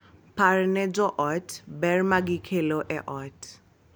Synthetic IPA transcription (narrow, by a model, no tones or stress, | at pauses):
pʰaɾnɛd͡ʒɔʔɔtʰbɛrmaɡikʰeloʔɛʔɔt